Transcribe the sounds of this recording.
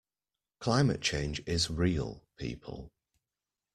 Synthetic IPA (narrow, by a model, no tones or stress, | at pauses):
kʰl̥aɪmə̰ʔt͡ʃʰẽɪ̃nd͡ʒɪzɹiːə̰lˠpʰḭˑpʰə̰lˠ